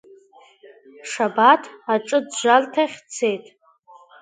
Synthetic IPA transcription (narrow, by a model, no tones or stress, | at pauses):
ʂabatʰaʈ͡ʂʼɨdʒʷaltʰaχʲt͡sʰe̞jtʼ